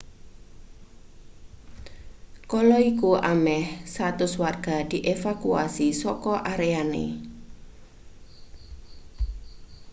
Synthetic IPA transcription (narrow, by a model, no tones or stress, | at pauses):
kɔlɔikuamɛhsat̪ʊswarɡ̥a̤d̪̥i̤ʔefakuasisɔkɔʔaɾeanḛ